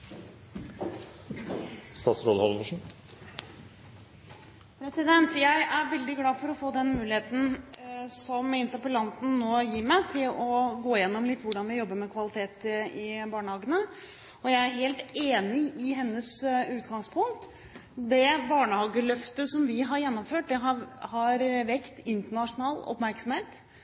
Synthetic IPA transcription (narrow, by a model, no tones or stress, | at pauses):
st̪ɑːt̪sɾoːd̪hɔlʋəʂɳ̩ | pʰɾɛsɪd̪ɛnt̪jæɪʔæɾʋɛld̪ɪɡlɑːfɔɾɔfoːd̪ɛnmʉːlɪeːt̪n̩ | sɔmɪnt̪əɾpəlɑnt̪n̩noːjiːɾmæɪt̪ʰɪlɔɡoːɪjɛnːɔmlɪt̪ːʋʊɖɑnʋɪjɔbːəɾmɛkʰʋɑlɪt̪ʰeːt̪ɪbɑːɳəhɑːɡənə | ɔjæɪæɾɦeːlt̪eːnɪɪɦɛnːəsʉːt̪ɡɑŋspʰʊŋ̚t̪ | d̪ɛbɑːɳəhɑːɡəlœft̪əsɔmʋɪɦɑɾjɛnːɔmføːʈ̚d̪ɛɦhɑɾʋɛkt̪ɪnt̪əɳɑʂʊnɑːlɔ̰pmæɾksɔmheːt̪